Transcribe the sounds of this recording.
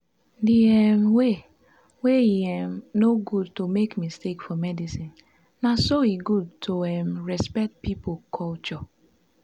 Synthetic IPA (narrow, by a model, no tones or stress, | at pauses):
diɛmwe | weiɛmnoɡudtomekmistekfɔmɛdisĩn | nasoiɡud̚tʰoɛmɹɛspɛk̚t̚pipokʰɔlt͡ʃɔ